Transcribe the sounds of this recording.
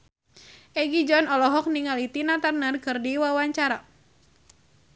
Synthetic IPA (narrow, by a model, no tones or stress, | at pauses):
ʔɛɡid͡ʒɔnɔlɔɦɔk̚niŋalit̪inat̪arnərkɨrdiwawaɲt͡ʃaɾa